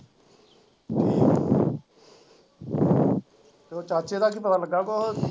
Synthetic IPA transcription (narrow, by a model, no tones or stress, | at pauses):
oːt͡ʃaːt͡ʃeːd̪aːk̬iːpət̪aːləɡaːkoɦo